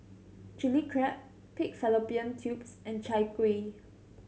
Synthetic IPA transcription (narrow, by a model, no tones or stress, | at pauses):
d͡ʒilikʰɹɛp̚ | pik̚fɛlopiə̃ntʰjupsɛ̃nt͡ʃaɪjkwe